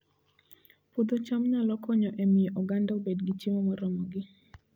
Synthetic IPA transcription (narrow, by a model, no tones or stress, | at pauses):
pod̪ot͡ʃamnalɔkɔɲɔʔemɪjeʔɔɡandaobedɡit͡ʃimɔmɔɾɔmɔɡɪ